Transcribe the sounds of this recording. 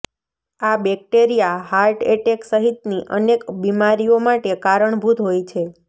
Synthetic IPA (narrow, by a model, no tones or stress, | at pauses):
abɛk̚ʈeɾijaɦaɾʈeʈeksəɦit̪niʔənekbimaɾijomaʈekaɾəɳbʱud̪ɦojt͡ʃʰe